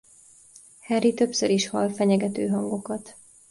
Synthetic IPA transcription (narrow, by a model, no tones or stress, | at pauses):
hɛrit̪ø̞psøɾiʃhɒlfɛɲɛɡɛt̪øːɦɒŋɡo̞kɒt̪